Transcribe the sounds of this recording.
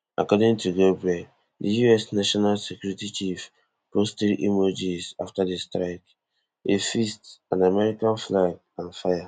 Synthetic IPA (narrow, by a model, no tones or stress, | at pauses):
ʔa̰kɔdĩŋtuɡobɹɛ | dijuɛsnaʃɔnalsekjuɹitit͡ʃif | postedḭmɔd͡ʒisaftadestɹak | efistãnamɛɹikãnflaɡ̚ | ãnfaja